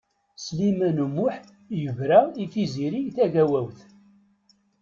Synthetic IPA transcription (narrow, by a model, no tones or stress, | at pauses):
slimænumːʊħ | jəvɾæifiziɾijθæʝæwæwθ